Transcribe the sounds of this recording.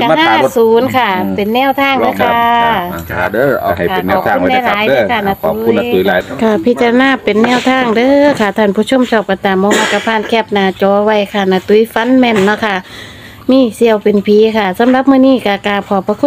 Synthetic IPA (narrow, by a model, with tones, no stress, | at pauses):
ka˧haː˧˥˩suː˨˦nkʰa˧˩pe˨nːɛː˧˥˨wt̪ʰaː˧˥˨ŋdɯː˧˨kʰa˧ | dːha˨˩jka˧e˨˩˨nʰː˧˨˧u˧˨˧na˧˨laː˧˨˦jdaː˧kʰa˧˩na˧t̪ːn˧˦a˨˦kʰa˧˩pʰi˧t͡ɕa˧a˧naː˧˥˨pe˨nːɛː˧˥˨wt̪ʰaː˧˩˨ŋdɤː˧kʰa˧˩t̪ʰaː˧˩˨npʰuː˧˩t͡ɕʰo˧˥˨msʰɔː˧˩p̚ka˧˩t̪aː˨mːɔː˧maː˧˩ka˧˩pʰaː˧˥˨nkʰɛ˧˩p̚naː˨˧t͡ɕɔː˨˧˦wa˧˩˨jkʰa˧˩na˧t̪u˧˦jfa˧˥nmɛː˧˨nːɔ˧˥˨kʰa˧˩ | miː˧˥˨si˧˨ə˨wpe˨npʰiː˨˧˦kʰa˧˩sa˨˧˦mla˧˦p̚mɯː˧˨niː˧˩˨ka˧˩kaː˧˩pʰɔː˨˧˦pa˧kʰu˧˥˨